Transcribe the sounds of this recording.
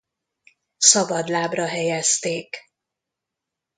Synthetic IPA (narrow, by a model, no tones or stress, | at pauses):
sɒbɒd̪laːbrɒɦɛjɛst̪eːk